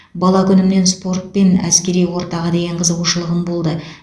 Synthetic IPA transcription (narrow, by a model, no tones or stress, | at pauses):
bɑlˠɑkʲʰʏnɪmne̞nspo̞rt̪̚pe̞næ̰skʲe̞ɾijwo̞ɾt̪ɑʁɑd̪e̞jʲeɴqʰəzəʁuʃəlˠəʁəmbolˠd̪ə